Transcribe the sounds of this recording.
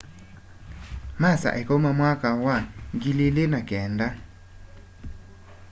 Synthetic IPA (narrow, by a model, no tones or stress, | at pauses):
masa̰ʔɛkɔmamwakawaŋɡilelenakɛːnda